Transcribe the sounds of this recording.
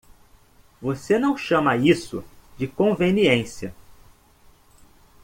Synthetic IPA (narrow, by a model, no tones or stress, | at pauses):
vosenɐ̃w̃ʃɐ̃mɐisʊ̰d͡ʒɪkõveniẽsiɐ